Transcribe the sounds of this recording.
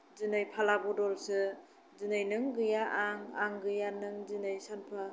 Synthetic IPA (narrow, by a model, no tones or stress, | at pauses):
zɯnɯjpʰalabudɔlsɯ | zinajnɯŋɡɯjaʔaŋaŋɡɯjanɯŋzinɯjsanpʰa